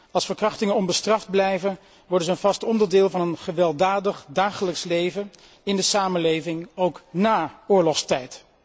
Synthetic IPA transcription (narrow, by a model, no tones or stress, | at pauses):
ɑlˠsfəɹkrɑχtɪŋənɔmbəstrɑfd̚blɛjvən | ʋɔɹdəzəːnvɑstɔndəɹdɪːlˠvɑnənχəʋɛlˠdaːdəχdaːχələkslejvə | ɪndəsaːməlejvɪŋowknaːʊːɹlɔχstɛjt